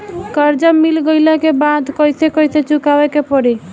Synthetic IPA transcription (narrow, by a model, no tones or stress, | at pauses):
kəɾd͡ʒəmːilɡəjlɛkebad̪kəjsekəjset͡ʃukabɛkepəɽi